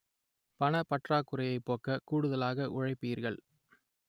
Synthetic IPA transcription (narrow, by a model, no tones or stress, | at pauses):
pɐnɐpɐʈraːkːɯɾɐjɐɪpːoːkɐkuːɽɯðɐlaːɣɐʔʊɻɐɪpːijɪɾɣɐɭ